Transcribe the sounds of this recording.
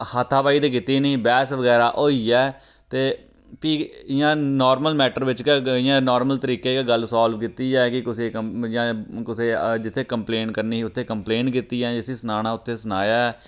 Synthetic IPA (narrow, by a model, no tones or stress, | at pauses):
hat̪ʰːaːʋaːiːd̪iːkɪt̪ːiːnĩːbɛːsʋəɡɛːɾaːʔoːiːɛː | t̪eː | piːɪjãːnɔːɾməlmɛːʈəɾʋɪt͡ʃkeɪjãːnɔːɾməlt̪əɾiːkeːkeɡəlsaːlʋkit̪iːɛːkɪkʊseːəjãːkʊseːd͡ʒɪt̪ʰːeːkəmpleːnkəɾniːʊt̪ʰːeːkəmpleːnkiːt̪iːɛːd͡ʒɪsiːsənaːñaːʊt̪ʰːeːsənaːjaːɛː